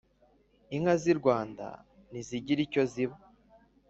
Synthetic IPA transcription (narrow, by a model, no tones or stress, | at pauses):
iŋhaziɾɡwaːnda̰ | niziɟiɾico̞ziβa